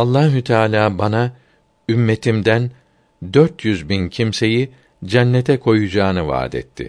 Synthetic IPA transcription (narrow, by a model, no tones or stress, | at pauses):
alˠːaːɦut̪ʰaːlʲaːbana | ymːe̞t̪ʰimd̪æn | d̪øɾt̪jyzbincʰimse̞ji | d͡ʒɛnːɛt̪ʰɛkʰo̞jud͡ʒaːnɯva̰ːd̪ɛ̰t̪ʰːɪ̰